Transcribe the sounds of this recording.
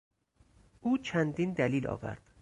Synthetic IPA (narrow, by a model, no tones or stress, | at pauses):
ʔuːt͡ʃʰænd̪iːnd̪æliːlɒ̰ːvæ̰ɾd̪̥